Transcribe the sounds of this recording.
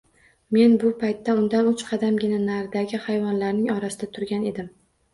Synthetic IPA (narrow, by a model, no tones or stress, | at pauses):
me̞nbʊpʰajt̪ʰːaʊnd̪anʊt͡ʃqʰɑd̪amɡʲɪnanaɾd̪aɡʲɪhajvɒnlaɾnɪŋɒɾasɪd̪at̪ʰʊɾɡʲane̞d̪ɪm